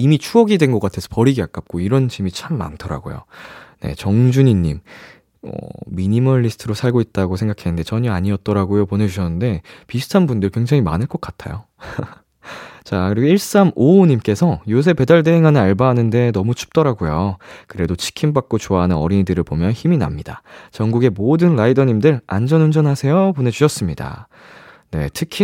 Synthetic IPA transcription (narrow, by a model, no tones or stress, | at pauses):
imit͡ɕʰuʌɡidwe̞nɡʌk͈atʰe̞sʰʌpʌɾiɡiak͈ap̚k͈oiɾʌnt͡ɕimit͡ɕʰamːa̰ntʰʌɾa̰ɡo̰jo̰ne̞̰t͡ɕʌŋd͡ʑuɲiɲːim | ʌ̰miɲimʌɭːisʰɯ̥tʰɯɾosʰaɭɡoit̚t͈aɡosʰe̞ŋɡakʰenɯnde̞t͡ɕʌɲʌaɲiʌt̚t͈ʌɾaɡojopone̞d͡ʑuɕʰʌnːɯnde̞pisʰɯ̥tʰanbundɯɭkwe̞ŋd͡ʑaŋimanɯɭk͈ʌk͈atʰa̰jo̰ | t͡ɕakɯɾiɡiɭs͈amoɲimk͈e̞sʰʌjos̬ʰe̞pe̞daɭde̞ɦeŋɦanɯaɭbaɦanɯnde̞nʌmut͡ɕʰu̥p̚t͈ʌɾaɡojokɯɾe̞dot͡ɕʰi̥kʰimbak̚k͈ot͡ɕoaɦanɯnʌ̰ɾiɲidɯɾɯɭpomjʌnçimina̰mɲida̰t͡ɕʌŋɡuɡe̞modɯnɾaidʌɲimdɯɭa̰nd͡ʑʌnund͡ʑʌnɦasʰe̞jopone̞d͡ʑuɕʰʌs͈ɯmɲida̰ | ne̞̰tʰɯkʰi